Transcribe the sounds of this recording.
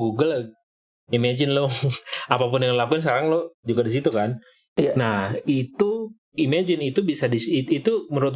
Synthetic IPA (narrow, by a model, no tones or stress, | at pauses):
ɡuɡəl | imad͡ʒɪnloapapʊnjaŋləlapɪns̬kaɾaŋlohd͡ʒuɡadis̬it̪ukan | nahit̪u | imad͡ʒɪnit̪ubisadisiit̪uməɾuat̪̚